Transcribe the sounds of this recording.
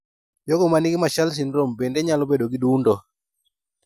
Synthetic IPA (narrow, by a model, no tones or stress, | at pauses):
joɡɔmanɪɡɪmaʃals̬inɾombendeɲalɔbedoɡidundɔ